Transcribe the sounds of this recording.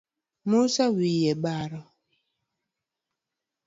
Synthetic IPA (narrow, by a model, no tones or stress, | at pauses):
musawijɛɓaɾɔ